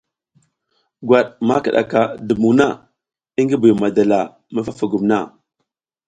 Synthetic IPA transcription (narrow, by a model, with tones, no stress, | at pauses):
ɡwa˨ɗma˦ka˨ɗa̰˨ka˨də˨mu˨na˦˨ | i˦ŋɡi˦bu˨jma˨da˨la˨ | ma˦fa˦fa˨ɡu˨mna˦˨